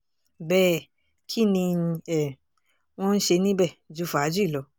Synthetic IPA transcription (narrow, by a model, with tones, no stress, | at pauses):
bɛː˦˨ | kʰi˦nĩ˧ɛ˦˨ | w̃ɔ̃˦n̩˦ʃe˧nĩ˦bɛ˦˨d͡ʒu˨˦fa˨˦d͡ʒu˦i˦˨lɔ˨˧˦